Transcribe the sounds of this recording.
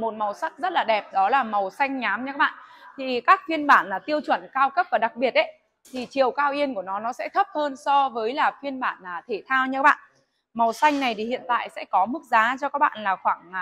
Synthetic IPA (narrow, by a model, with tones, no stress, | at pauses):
mo˨˩t̚mə˨˩wsa˦˥k̚zə˦˥t̚laː˨˩ɗɛ˨˩p̚ɗɔ˨˦laː˨˩mə˨˩wsa˧jŋ̟ɲaː˨˦mɲɨ˧ka˦˥ɓa̰ː˧˨nt̪ʰi˨˩kaː˦˥k̚fi˧ənɓaː˧˩naː˨˩t̪i˧əwt͡ɕwə˧˩nkaː˧wkə˦˥p̚vaː˨˩ɗa˨˩k̚ɓi˨˩ət̚ʔe˨˦ | t̪ʰi˨˩t͡ɕi˨˩əwkaː˧wʔi˧ənku˧˩ənɔ˨˦nɔ˨˦sɛ̰˧˥t̪ʰə˦˥p̚həː˧nsɔ˧vəː˨˦jlaː˨˩fi˧ənɓaː˧˩naː˨˩t̪ʰe˧˩t̪ʰaː˧wɲɨ˧ka˦˥ɓa̰ː˧˨ | mə˨˩wsa˧jŋ̟na˨˩jt̪ʰi˨˩hḭ˧˨ənt̪a̰ː˧˨jsɛ̰˧˥kɔ˨˦mɨ˦˥k̚zaː˨˦t͡ɕɔ˧kaː˦˥k̚ɓa̰ː˧˨nlaː˨˩xwaː˧˩ŋ˨